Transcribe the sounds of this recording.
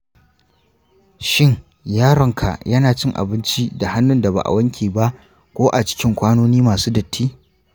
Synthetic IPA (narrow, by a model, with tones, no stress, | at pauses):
ʃɪ˦˨ŋ | jaː˦ɽɐ˨ŋkʰa̰˨ʔjɐ˦naː˨t͡ʃɪ˦ŋʔa̰˨bɪ˦nt͡ʃi˦da˨ha˦nːʊ˦nda˨ba̰˨ʔa̰˨wɐ˦ŋkʲʰiː˨ba˦ʔ | kʷoː˦ʔa˨t͡ʃɪ̥˦kʲɪ˦ŋkʷaː˦noː˦niː˦maː˨suː˦dɐ˨tʰːiː˦